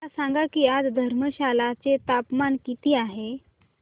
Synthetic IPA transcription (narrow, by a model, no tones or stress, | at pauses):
asaŋɡakiːad͡zd̪ʱəɾməɕalat͡set̪apmankit̪iːaɦe